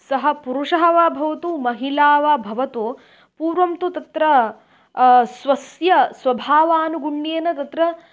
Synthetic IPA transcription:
sɐɦɐpuɾuʂɐɦɐʋabʱɐʋɐt̪umɐɦilaːʋɐbʱɐʋɐt̪u | puːɾʋɐmt̪ut̪ɐt̪ɾɐ | sʋɐsjɐsʋɐbʱaːʋaːnuɡuɳːeːnɐt̪ɐt̪ɾɐ

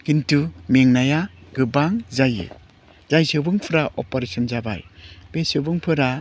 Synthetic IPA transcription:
kintumeŋnajaɡɯbaŋzajɯ̰ | z̥ajsɯbɯŋpʰɯɾaʔɔpɔɾesɔnzaba̰jbesɯbɯŋpʰɯɾa

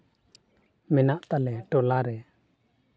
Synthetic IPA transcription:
mɛnaʔt̪alɛʈɔlaɾɛ

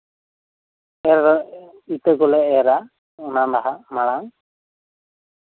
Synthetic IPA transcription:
ɛɾ | it̪əɡɔlɛɛɾa | ɔnand̪aɦamaɽaŋ

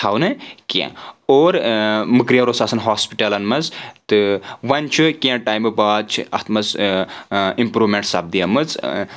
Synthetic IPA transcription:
t̪ʰawnɨkã̰oːɾmɨkɾijɐɾosaːsɐnɦaːspiʈɐlɐnmɐzt̪ɨʋɐnʲt͡ʃʰukʲãʈajmɨbaːt͡ʃʰḭɐ̰t̪ʰmɐz | impɾuʋmeɳʈsɐb̚d̪ijɐmɨt͡s

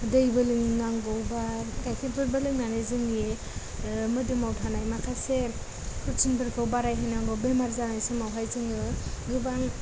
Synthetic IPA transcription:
dɯjbɯlɯŋnaŋɡɔwbaɡajkʰebɯɾbɯlɯŋnanɯzɯŋe | mɯdɯmawtʰanajmakʰase | pʰuɾt͡ʃʰinbʰɯɾkʰawbaɾajɦɯnaŋɡɔwbemaɾzanajsemawɦajzɯŋɯɡɯbaŋ

